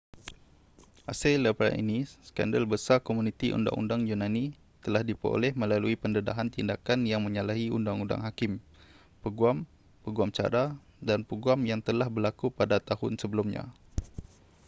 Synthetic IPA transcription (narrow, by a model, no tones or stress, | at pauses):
ʔasaləpɾa̰ʔḭnisə̥ka̰ndəlbəsarkomunit̪iʔṵnda̰ŋʔṵndaŋjunani | t̪əlahdipɾo̰lɛhmə̃laluipəndəda̰ɦant̪indakanjaŋmə̃ɲalaɦiṵndaŋunda̰ŋɦakɪm | pəɡuam | pəɡuamt͡ʃa̰ɾa | danpəɡuamjaŋt̪əlahbərlakupadat̪ahʊnsəbəlumɲã̰